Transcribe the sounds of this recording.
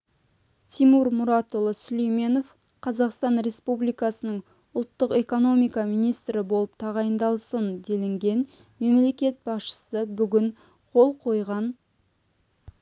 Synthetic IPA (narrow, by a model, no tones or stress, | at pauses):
t̪ʰimuɾmʊɾɑt̪olˠəsʏlejme̞no̞f | qʰɑzɑqst̪ɑnɾe̞spublijkɑsənəɴ | ʊlˠt̪ːəqe̞ko̞no̞mijkɑmijnijst̪ɾɪbo̞lˠəp̚t̪ʰɑʁɑjənd̪ɑlˠsənd̪e̞lɪŋɡʲe̞n | me̞mle̞kʲe̞t̪̚bɑsʃə̥səbʏɡʲɪɴ | qʰo̞lˠqʰo̞jʁɑn